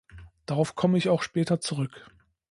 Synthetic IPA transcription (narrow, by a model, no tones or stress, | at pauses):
d̥aʁaʊfkʰɔməɪçaʊxʃpɛːtɐt͡suʁʏk